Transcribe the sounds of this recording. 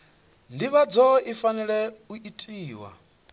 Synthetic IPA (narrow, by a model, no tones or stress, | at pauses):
ndiβad͡zɔifanɛɺɛuʔitʼiːwa̰